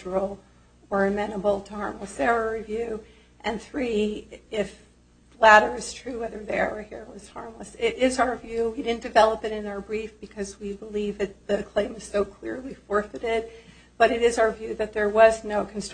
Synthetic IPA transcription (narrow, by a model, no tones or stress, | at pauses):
ə˞l̩ˠ | ə˞ɨmɛ̃nəbl̩ˠtʰəhɑɹmləsɛɹəɹivjʉ | ʔɨ̃nθɹiɪf | læɾə˞ɨz̥tʰɹ̥ʉwɛðə˞ðeə̰˞ɨhiɹʌz̥hɑ̰ɹmləsɪɾɪzaʊə˞vjʉwidɪdⁿn̩d̥ɨvɛlˠəpɨɾɨ̃naʊə˞bɹifb̥ɨkʰʌzwibəlivðɨt̪̚ðɨkʰl̥ẽɪ̃mɨz̥soʊkʰl̥ɪ̰ɹlifɔɹfɨɾɪd̚ | b̥ʌɾɨɾɪzaʊə˞vjʉðɨt̪̚ðə˞wʌznoʊkʰn̩st